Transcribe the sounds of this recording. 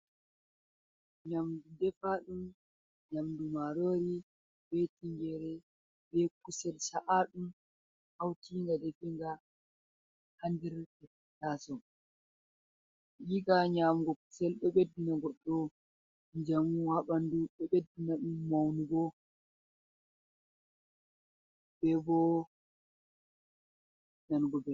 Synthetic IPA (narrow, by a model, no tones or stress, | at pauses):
ɲamdudɛfaɗum | ɲamdumaɾoːɾi | betiŋɡɛɾɛ | bɛkusɛlsaʔaɗum | hawtiŋɡadɛfɛŋɡa | handiɾtɛf | tasɔ | jiɡaɲamɡɔku̥sɛlɓɛɓedːinaɡɔɗːɔ | nd͡ʒamuhaɓanduɗɛɓedːinaɗumːawnuɡɔ | bɛbɔ | nanɡɔbɛ